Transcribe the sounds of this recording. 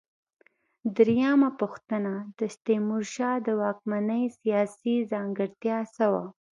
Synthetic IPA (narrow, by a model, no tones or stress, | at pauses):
d̪ɾjamapuxt̪ənad̪̥əst̪emuɾʃɑd̪əwɑk̚manəjsijɑsizɑŋɡəɾt̪jɑsawa̰